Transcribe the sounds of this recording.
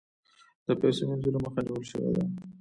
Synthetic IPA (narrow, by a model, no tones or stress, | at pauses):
d̪̥əpɛsenanzulaməxaniwəlʃə̰wḛd̪a